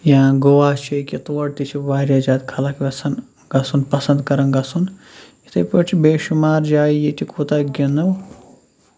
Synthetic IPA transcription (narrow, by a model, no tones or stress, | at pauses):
jaːɡoʋaːt͡ʃʰɐjkʲit̪uʋɐɽt̪it͡ʃʰiʋaːɾʲjaːd͡ʒaːt̪kʰɐlɐkʋʲɐsɐn | ɡɐsunpɐsɐnd̪kɐɾɐnɡɐsun | it̪ʰɐpɐʈʰibeːʃumaːɾd͡ʒaːijitʰikʰut̪aɡʲɐnɐw